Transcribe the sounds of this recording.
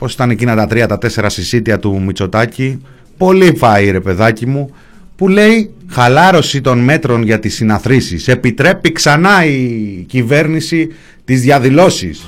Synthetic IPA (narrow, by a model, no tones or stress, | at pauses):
po̞si̥t̪ɐnecinɐt̪ɐt̪ɾiɐt̪ɐt̪e̞se̞ɾɐsisit̪iɐt̪umit͡so̞t̪ɐci | po̞lifɐiɾe̞pe̞ðɐcimu | pule̞ixɐlɐɾo̞sit̪o̞nme̞t̪ɾo̞nʝɐt̪isinɐθɾisise̞pit̪ɾe̞piksɐnɐicive̞ɾnisi | t̪izðʝɐðilo̞sis